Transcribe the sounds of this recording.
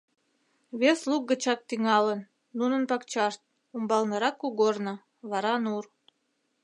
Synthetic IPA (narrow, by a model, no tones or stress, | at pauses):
βesluk̚ɡə̆t͡ɕɑk̚t̪iŋɑlənː | unə̆npɑkt͡ɕɑʃt̪̚ | umbɑlnə̆ɾɑkːuɣornə̆ | βɑɾɑnur